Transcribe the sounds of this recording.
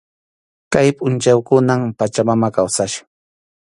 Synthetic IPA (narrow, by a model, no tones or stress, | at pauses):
kajpʼʊnt͡ʃawkʊnampat͡ʃamamakawsaʃḁ